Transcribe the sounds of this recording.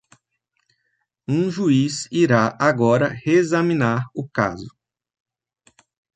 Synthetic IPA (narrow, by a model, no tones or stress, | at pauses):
ũʒuisiɾaʔaɡɔɾɐhezɐmĩnaɾʊka̰zʊ̥